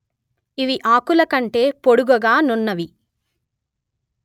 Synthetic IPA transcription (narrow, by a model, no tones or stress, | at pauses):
iʋiʔaːkulɐkɐɳʈe̞ːpoɽuɡɐɡaːnunːɐʋi